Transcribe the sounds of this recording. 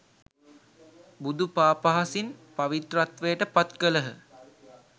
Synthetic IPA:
bud̪upaːpaɦasinpaʋit̪ɾat̪ʋejəʈəpat̪kələɦə

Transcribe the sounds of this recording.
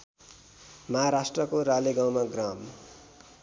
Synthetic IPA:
mʌɦaɾasʈrʌkoɾaleɡãw̃maɡram

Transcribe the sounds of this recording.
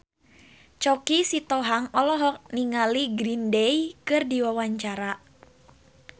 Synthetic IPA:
t͡ʃɔkisit̪ɔɦaŋɔlɔɦɔk̚niŋaliɡɾindɛjkɨrdiwawaɲt͡ʃaɾa

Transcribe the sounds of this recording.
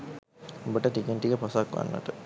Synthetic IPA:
umbəʈəʈikenʈikəposakʋa̰nːʋə̰ʈə

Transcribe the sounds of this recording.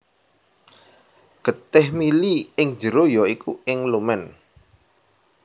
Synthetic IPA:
ɡ̥ə̤t̪ɪhmiliɪŋ̥d͡ʒə̤ɾojɔikuɪŋlumɛn

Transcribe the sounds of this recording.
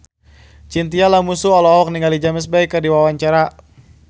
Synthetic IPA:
t͡ʃint̪ialamusuɔlɔwɔk̚niŋɡalid͡ʒaməs̬baikːərdiwawaɲt͡ʃaɾa

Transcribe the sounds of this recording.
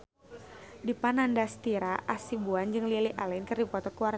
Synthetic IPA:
dipanandast̪iɾaʔasibuand͡ʒɨŋliliʔalɛnkɨrdipɔt̪ɔkuwar

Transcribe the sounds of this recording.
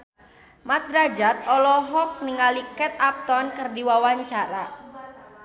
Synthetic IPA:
mat̪̚ɾad͡ʒat̪̚ɔlɔɦɔk̚niŋalikɛt̪ap̚t̪ɔnkɨrdiwawaɲt͡ʃaɾa

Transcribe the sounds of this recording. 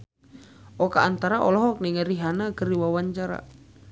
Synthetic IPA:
ʔɔkaːnt̪aɾaʔɔlɔɦɔk̚niŋəɾiɦanakəɾiwawaɲt͡ʃaɾa̰

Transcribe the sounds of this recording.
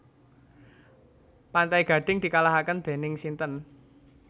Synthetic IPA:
pant̪aiɡ̥ä̤ɖ̥ɪŋd̪̥i̤kalaɦakənd̪̥e̤nɪŋsint̪ən

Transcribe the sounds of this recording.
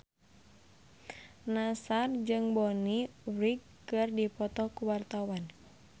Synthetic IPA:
nasard͡ʒɨŋbɔniɾiɡ | ɨrdipɔt̪ɔkuwart̪awan

